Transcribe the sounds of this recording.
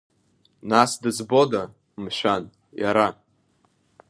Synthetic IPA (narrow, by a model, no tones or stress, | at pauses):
nasdɨzbo̞da | mʃᶣan | jaɾa